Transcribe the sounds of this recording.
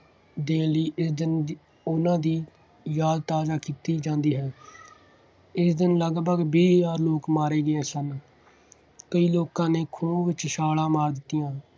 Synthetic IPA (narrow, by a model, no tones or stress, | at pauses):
d̪eːliːʔɪsd̪ɪn | ʊnãːd̪iː | jaːd̪t̪aːzaːkiːt̪iːd͡ʒãːnd̪iːɦɛː | ɪsd̪ɪnləɡbəɡbiːjaːɾloːkmaːɾeːɡəɛːsən | kəiːloːkãːneːkʰoːʋɪt͡ʃʃaːlãːmaːɾd̪ɪt̪ːijãː